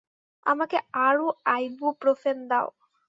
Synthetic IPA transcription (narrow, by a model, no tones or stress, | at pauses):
a̰makeaɾuajbopɾofend̪a̰o̰